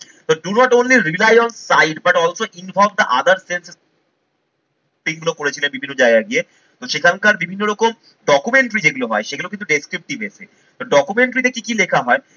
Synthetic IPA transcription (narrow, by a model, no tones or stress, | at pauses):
t̪od̪uɾɔʈonliɾilajɔnsːajɖbaʈɔlʃoʔinbʱɔb̚d̪aʔad̪aɾsens | ʈiɡulokoɾet͡ɕʰilenbibʱinːod͡ʑaeɡaɡie | t̪oʃekʰankaɾbibʱinːoɾɔkom | ɖɔkumeɳʈɾid͡ʑeɡuloɦɔeʃeɡulokint̪uɖeskɾip̚ʈibese | t̪oɖɔkumeɳʈɾit̪ekikilekʰaɦɔe